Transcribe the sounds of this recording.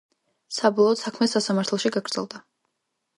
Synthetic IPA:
sabɔlˠɔːt̪sakʰmɛsasamaɾt̪ʰɛlˠʃiɡaɡɾd̪zɛ̰lˠd̪a

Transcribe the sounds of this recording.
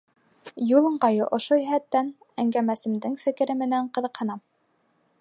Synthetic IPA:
julˠɤ̆ɴɢɑjɤʔŏʃojɵ̆ɦæt̪ːæn | æŋɡæmæsɘ̆md̪ɘŋfɘ̆kɘ̆ɾɘmɘ̆næɴqɤ̆ðɤ̆qhɤ̆nɑm

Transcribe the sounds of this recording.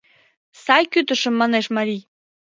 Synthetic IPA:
sɑjkyt̪ə̆ʃə̆mːɑneʃmɑɾʲij

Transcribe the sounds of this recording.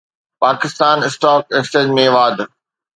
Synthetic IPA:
paːkɪst̪aːnɪsʈɔːk̚ekst͡ɕeːd͡ʑmẽʋaːd̪

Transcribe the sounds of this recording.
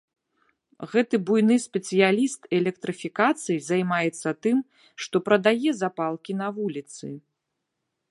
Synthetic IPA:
ɣɛt̪ɨbujnɨsʲpʲɛt̪sɨjalʲist̪ɛlʲɛk̚t̪ɾɨfʲikat̪sɨjzajmajɛt̪sːɐt̪ɨm | ʂt̪ɔpɾɐd̪ajɛzapalˠkʲin̪ɐvulʲit̪sɨ̰

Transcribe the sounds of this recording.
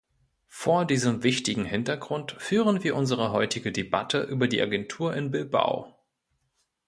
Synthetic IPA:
foːɐdiːzəmvɪçtɪɡŋ̩hɪntɐɡʁʊntfyːʁənviːɐʔʊnzəʁ̞əɦɔʏtɪɡədeba̰tʰəʔyːbɐdiːʔaɡɛntʰuːɐʔɪnbɪlba̰ʊ

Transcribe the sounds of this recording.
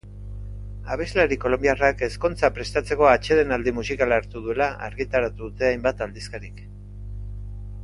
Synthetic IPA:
aβ̞e̞zlaɾiko̞lo̞mbiarake̞sko̞nt͡sapɾe̞st̪at͡se̞ko̞at͡ʃe̞ðe̞nald̪imusikalaɾt̪uðue̞laa̰ɾɣit̪aɾat̪uðut̪e̞ajmbat̪ald̪iskaɾik

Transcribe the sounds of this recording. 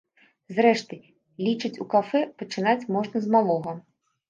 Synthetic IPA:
zɾɛʂt̪ɨ | lʲit͡ʂɨt͡sʲukafɛpɐt͡ʂɨnat͡sʲmɔʐnɐzmalˠɔɣɐ

